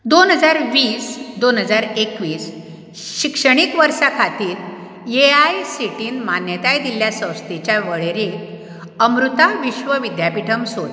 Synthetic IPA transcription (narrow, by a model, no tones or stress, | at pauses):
d̪onɦəd͡zaɾʋiːsd̪onɦəd͡zaɾekʋiːs | ɕikʂəɳ̃ikʋəɾsakʰat̪iːɾ | jeajsiʈiːnmanjət̪ajd̪iljasə̃w̃st̪et͡ɕjaʋəɭeɾi | əmɾut̪aʋiɕʋəʋid̪japiʈʰəmsot̪